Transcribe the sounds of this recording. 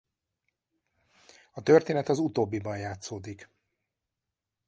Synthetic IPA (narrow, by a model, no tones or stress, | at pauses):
ɒt̪ørt̪eːnɛt̪ɒzut̪oːbːibɒnjaːt̪soːd̪ik